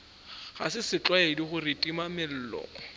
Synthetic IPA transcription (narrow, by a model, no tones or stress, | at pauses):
χasɪsɪt͡ɬʼwaediχʊrɪtʼimamɪl̩ːlɔ̰ɔ